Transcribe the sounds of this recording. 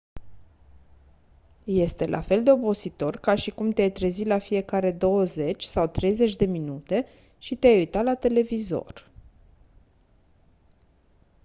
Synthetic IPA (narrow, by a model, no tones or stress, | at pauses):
je̞st̪e̞lʔa̰fe̞ld̪e̞o̞bo̞sit̪o̞rkaʃikumt̪eajt̪ɾe̞zilafie̞kaɾe̞d̪o̞wəze̞t͡ʃʲsawt̪ɾe̞jze̞t͡ʃʲd̪e̞minut̪e̞ | ʃit̪eajujt̪alat̪e̞le̞vizo̞̰r